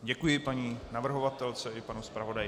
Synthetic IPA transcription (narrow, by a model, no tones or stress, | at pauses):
ɟɛkujɪpaɲiːnavr̩ɦo̞vat̪ɛlt͡sɛɪpanuspɾavo̞dajɪ